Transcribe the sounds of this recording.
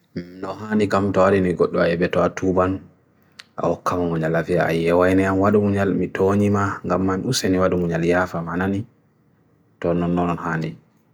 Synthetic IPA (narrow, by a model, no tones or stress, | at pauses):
nɔɦanikamtɔwaɾiniɡoɗːuaɛbɛtɔatʰuban | ʔa̰hɔkːamamuɲalaviaa̰jɛwajnɛanwaɗumuɲalmitʰoɲimaŋɡamːanusɛniwaɗumuɲaljaːfamanani | tɔnɔnːɔnɔnhaːndi